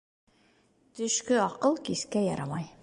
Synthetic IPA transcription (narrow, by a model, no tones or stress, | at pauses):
t̪ɵ̆ʃkɵɑqɤlˠkiskæjɑ̰ɾɑmɑj